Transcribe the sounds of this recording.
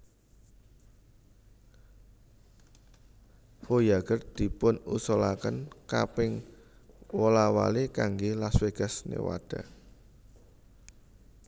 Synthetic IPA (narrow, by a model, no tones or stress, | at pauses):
fojaɡ̥ərd̪̥i̤pʊnusɔlakənkapɪŋ | wolawa̰lekaŋɡelasweɡ̥a̤snḛwa̰d̥a